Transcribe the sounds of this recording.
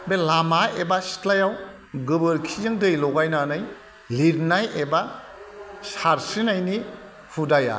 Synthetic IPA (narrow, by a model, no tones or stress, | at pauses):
belamaebasi̥tlajaw | ɡɯbɯɾkʰizɯŋdɯjlɔɡajnanɯj | liɾnajeba | saɾsinajni | pʰudaja̰